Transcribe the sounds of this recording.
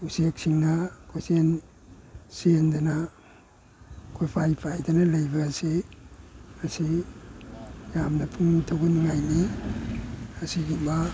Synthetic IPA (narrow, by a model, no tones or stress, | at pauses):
usek̚siŋnɐkʰojsen | sendɐnɐ | kʰojpʰajpʰajdɐnɐlɐjbɐːsi | mɐsi | jamnɐpʰuŋtʰɐwɡunŋajni | ɐsiɡiba